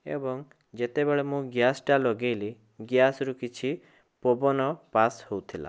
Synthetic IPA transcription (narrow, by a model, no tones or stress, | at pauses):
ḛbɔŋ | d͡ʒet̪ebeɭemũɡjasʈalɔɡejli | ɡjasɾukit͡ʃʰi | pobɔnɔpashowt̪ʰila̰